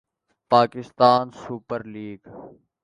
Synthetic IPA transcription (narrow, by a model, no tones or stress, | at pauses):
paːkɪst̪aːnsuːpəɾliːɡ